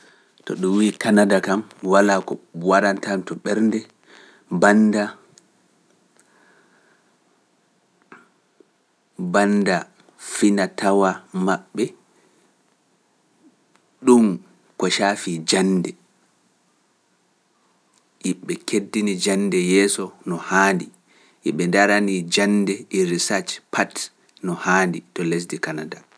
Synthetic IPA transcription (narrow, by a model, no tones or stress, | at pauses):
tɔ̰ɗumwikanadakamwalaːkɔwaɾantamtɔɓɛɾndɛ | banda | banda | finatʰawamaɓːɛ | ɗum | kɔʃaːfid͡ʒandɛ | ʔiɓɛkedːinid͡ʒanːdɛjɛːsɔnɔhaːndi | ʔiɓɛndaɾanid͡ʒandɛʔiɾisat͡ʃpʰat | nɔhaːnditɔles̬dikanada